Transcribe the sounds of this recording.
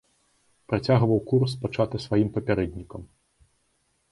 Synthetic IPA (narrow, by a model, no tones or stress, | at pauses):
pɾat͡sʲaɣvɐwkurspat͡ʂat̪ɨsvajimpɐpʲɛɾɛd̪ʲnʲikɐm